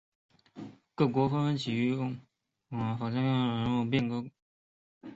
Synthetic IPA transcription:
kɤ˥˩k̬wɔ˧˥fə˥ə˧˥nt͡ɕʰi˨˩y˥˩˥ | fa˨˩t͡ɕa˥˩ɑ˥˩˨ɻə˧˥nu˥˧p̬jɛ˥˩˨nkɤ˥˩

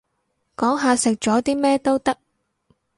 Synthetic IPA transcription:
kɔː˨˥ŋɦaː˨˧sɪ˨k̚t͡ʃɔː˨˥t̪iː˥mɛː˥t̪o˥wt̪ɐ˥k̚

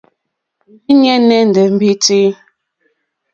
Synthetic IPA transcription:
i˦ɲɛ˦nɛ˦n̩˨dɛ˨m̩˨bi˦ti˦

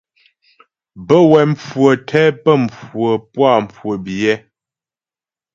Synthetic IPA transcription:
bə˦wɛ˨mp͡fwə˨tʰɛ˦pə˦˨mp͡fwə˨pwa˦˨m˨p͡fwə˨bi˨jɛ˦

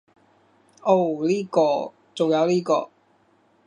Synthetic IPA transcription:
o˥˩wliː˥kɔː˧ | t͡so˨wjɐ˨˧wliː˥kɔ̰ː˧

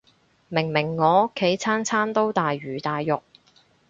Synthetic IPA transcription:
mɪ˨˩ŋmɪ˨˩ŋːɔː˨˧˥kʰːe˨˥jt͡sʰaː˥nt͡sʰaː˥nt̪o˥wt̪aː˨jɥyː˨˩t̪aː˨jːʊ˨k̚

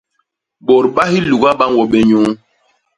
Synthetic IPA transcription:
ɓɔ˨ɾɓa˦hi˦lu˨ɡa˦ɓa˦ŋwɔ˨ɓɛ˦ɲuː˦

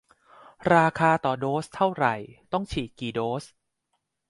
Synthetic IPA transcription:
ɾaː˧kʰaː˧t̪ɔː˨˩doː˦˥st̪ʰa˥˩wɾa˨˩jt̪ɔ˥˩ŋt͡ɕʰiː˨˩kiː˨˩doː˦˥s

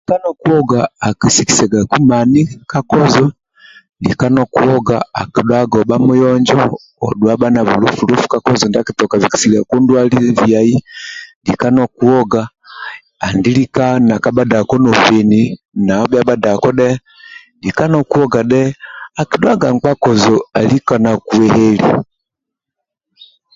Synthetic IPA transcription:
ika˦nɔku˦ɔ˦ɡaː˨ki˨si˨ki̥˨sɛ˨ɡa˨ku˦mani˦ka˦kɔ˦zɔ˦ | ndḭ˨ka˦nɔku˦ɔ˦ɡa̰˨a˨ki˨ɗwa˦ɡɔ˨ɓa˦mu˦jɔ˦ɲd͡ʒɔ˦ | ɔ̰˨ɗwa˦ɓa˦na˨βu˨lu˦fulu˦fu̥˦ka˦kɔzɔ˨nda˦ki˦tɔka˨viki̥˨sila˨ku˦ndwa˦li˦via˨i˦di˨ka˦nɔ˦ku˦ɔ˦ɡaː˦˨ | ndili˦kana˨ka˨ba˦da˨kɔ˦nɔ˨vɛ˨ni | na˨ɔ˦baba˦da˨kɔ˦ɗɛ˦ | di˨ka˦nɔ˨ku˦ɔɡa˨ɗɛ˦a˨ki˨ɗwa˦ɡa˨ŋ˨k͡pa˦kɔ˨zɔa˨li˦ka˨na˨ku˨ɛhɛlḭ

